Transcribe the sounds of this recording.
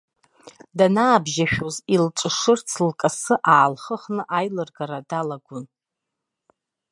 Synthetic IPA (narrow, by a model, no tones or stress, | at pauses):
danaːbʒaʃᶣozilʈ͡ʂʷʼɨʂɨrt͡sʰlkʼasɨʔaːlχəχnɨʔajlɨrɡaɾadalaɡʷʊn